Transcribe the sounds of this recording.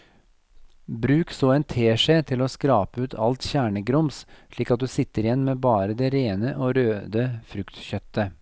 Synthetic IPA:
bɾʉːksoːɛːnt̪ʰeːʂeːt̪ʰɪloːskɾɑːpəʉːt̪ʰɑlt̪çæːɳəɡɾɔmsʂɭiːkɑt̪̚d̪ʉːsɪt̪ːəɾɪjɛnːmeːbɑːɾəd̪ɛɾeːnəʔoːɾøːd̪əfɾʉkt̪çœt̪ːə

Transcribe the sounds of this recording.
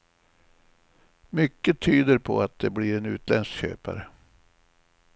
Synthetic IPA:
mʏkːət̪ʰyːd̪əɾpʰɔ̰at̪̚d̪ɛblɪɾɛnʉ̟̰ːt̪ʰlɛnsɕø̰ːpa̰ɾə

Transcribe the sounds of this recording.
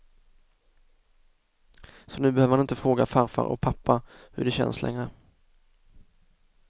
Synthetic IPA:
sɔnʉ̟ːbɛhøːvəɾhanɪnt̪əfɾoːɡafaɾfa̰ɾɔ̰k̚pʰapːa | hɵ̰ɖɛɕɛ̰nslʔɛ̰ŋɾə

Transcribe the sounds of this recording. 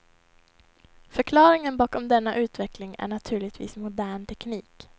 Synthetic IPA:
fœɾkʰlɑːɾɪŋənbɑːkɔmd̪ɛnːaʔʉ̟ːt̪vɛklɪŋæ̰ɳat̪ʰʉːɭɪɡ̚t̪vḭːsmʊd̪æːɳt̪ʰɛkniːk

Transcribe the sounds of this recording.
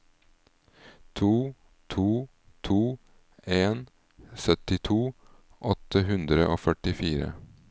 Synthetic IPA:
t̪ʰuː | t̪ʰuː | t̪ʰuː | eːn | sœt̪ɪt̪ʰuː | ʔɔt̪əhʉnd̪ɾəʔoːfœʈɪfiːɾə̰

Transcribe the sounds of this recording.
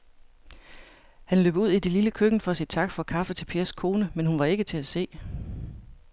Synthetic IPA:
hænlø̰ːb̥uð̰ˠid̥e̝liləkʰøɡ̥n̩fɒæsid̥̚t͡sʰɑ̈ɡ̥fɒ̽kʰɑ̈fət͡sʰe̝lpʰe̝ːɐskʰo̝ːnəmenhunʋɑ̈e̝ɡ̥ət͡sʰe̝æse̝̰ː

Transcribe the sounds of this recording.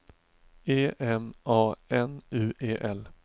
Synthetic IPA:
eːʔɛmɑːɛnʉ̟ːʔeːʔɛl

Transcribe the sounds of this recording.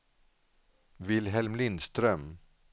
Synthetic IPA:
vɪlɦɛlmlɪnd̪st̪ɾœm

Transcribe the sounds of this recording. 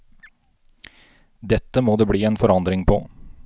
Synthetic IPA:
d̪ɛt̪ːəmoːd̪eːbɽiːeːnfɔɾɑnd̪ɾɪŋpʰɔ̰

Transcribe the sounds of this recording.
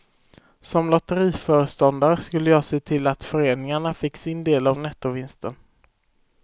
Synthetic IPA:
sɔmlɔt̪əɾiːfœːɾəʂt̪ɔnd̪aɾəskɵlːəjɑːseːt̪ʰɪlːat̪fœɾeːnɪŋaɳafɪkːsɪnd̪eːlavnɛt̪ːʊvɪnst̪ən

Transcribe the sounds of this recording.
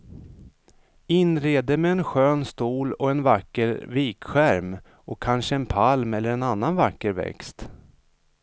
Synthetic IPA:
ɪnɾeːd̪əmɛːnɧøːnst̪uːlɔɛnvakːəɾviːkɧæɾm | ɔkʰanʂəɛnpʰalmɛlːəɾɛnanːanvakːəɾvɛ̰kst̪

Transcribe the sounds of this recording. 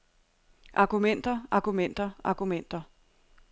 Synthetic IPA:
ʔɑ̈ɡ̥umen̰d̥ɐʔɑ̈ɡ̥umen̰d̥ɐɑ̈ɡ̥umen̰d̥ɐ

